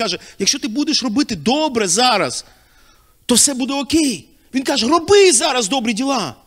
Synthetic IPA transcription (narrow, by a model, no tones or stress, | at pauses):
ɑʒɛjɐkʃt͡ʃɔt̪ɪbud̪eʃrɔbɪt̪ɪd̪ɔbɾɛzɑɾɐs | t̪ɔwsɛbud̪ɛɔkʲɛj | ʋʲinkɑʒɛɾɔbɪzɑɾɐzd̪ɔbɾidʲilˠɑ